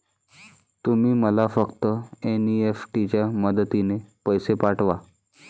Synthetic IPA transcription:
t̪umiːməlafəkt̪əeniefʈit͡ɕjaməd̪ət̪inepəjsepaʈʋa

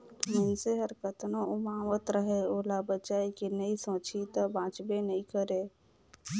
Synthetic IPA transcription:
mənseɦəɾkət̪nõʊmaːwət̪ɾəɦeoːlabət͡ʃaːikinəĩsõːt͡ʃʰit̪əbãːt͡ʃbenəĩkəɾe

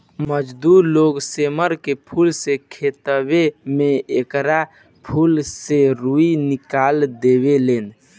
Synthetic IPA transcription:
məd͡ʒd̪uɾloɡseməɾkepʰulsekʰet̪əwemẽekɾa | pʰulseɾuinɪkaːld̪ebelen

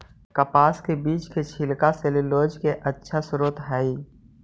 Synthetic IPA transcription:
kəpaːskebiːt͡ʃket͡ʃʰɪlkaseleloːd͡ʒkeʔətːʃʰasʊɾuːt̪ɦɛːiː

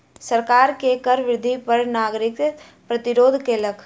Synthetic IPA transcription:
sɐɾkaːɾkekəɾʋɾɪd̪ʱipɐɾnaːɡɾɪk | pɾɐt̪ɪɾoːd̪ʱkeːləkʰ

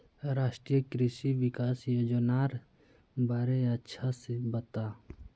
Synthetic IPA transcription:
ɾaːʃʈɾijəkɾɪʃiʋɪkaːsjoːd͡ʒənaːɾ | baːɾeɐtːʃʰasebət̪aː

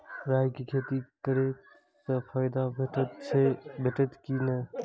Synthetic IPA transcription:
ɾajkekʰet̪ikəɾek | t̪əpʰəjd̪abʱeʈət̪t͡ʃʰebʱeʈət̪kinə

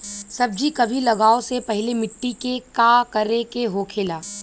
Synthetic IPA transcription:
sɐb̚d͡ʒʱikɐbʱilɐɡaːosepɛɦɪlemɪʈːikekaːkɐɾekeɦoːkʰeːlaː

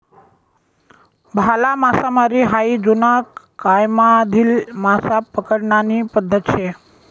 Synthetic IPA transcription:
bʱalamasamaɾiɦaid͡zunakː | ajmad̪ʱiːlmasapəkəɽɳanipəd̪ʱːət̪ʃʰe

